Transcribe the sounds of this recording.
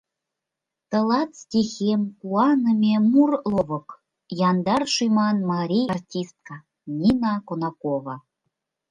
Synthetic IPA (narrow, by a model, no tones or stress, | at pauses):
t̪ɤ̆lˠɑt̪stʲixʲemkuɑnɤmʲemurlˠovɤ̆k | jɑnd̪ɑrʃujmɑnmɑɾʲijɑrtʲist̪̚kɑ | nʲinɑkonɑkovɑ